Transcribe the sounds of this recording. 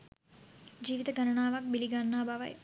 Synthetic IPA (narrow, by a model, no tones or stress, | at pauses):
d͡ʒiːʋit̪əɡɐnɐɳaːʋɐk̚biliɡanːaːbaʋɐ̰j